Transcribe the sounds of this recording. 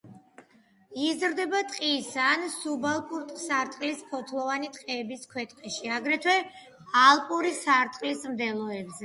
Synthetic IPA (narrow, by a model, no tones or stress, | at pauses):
izɾd̪ɛbat̪ʼqʼisansubalˠpʼuɾt̪ʼsaɾt̪ʼqʼlispʰɔt̪ʰlˠɔvanit̪ʼqʼɛːbiskʰwɛt̪ʼqʼɛʃiaɡɾɛt̪ʰwɛ | alˠpʼuɾisaɾt̪ʼqʼlismd̪ɛlˠɔɛbzɛ